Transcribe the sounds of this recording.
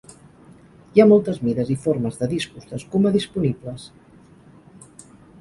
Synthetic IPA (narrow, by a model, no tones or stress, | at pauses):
jamɔlˠt̪əzmiðəzifoɾməzðəðispuzd̪əskuməðispunibləs